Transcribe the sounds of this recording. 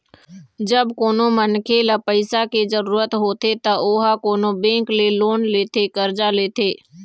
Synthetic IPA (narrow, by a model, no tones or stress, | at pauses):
d͡ʒəbkoːnomənkʰeːləpəɪsaked͡ʒəɾuːɾət̪ɦoːt̪et̪ɐʔoːɦakoːnobẽːŋkleloːnleːt̪ʰekəɾd͡ʒaleːt̪eː